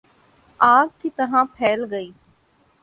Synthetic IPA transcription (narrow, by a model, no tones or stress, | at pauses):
aːɡ̚kit̪ɐɦãːpʰɛːlɡəiː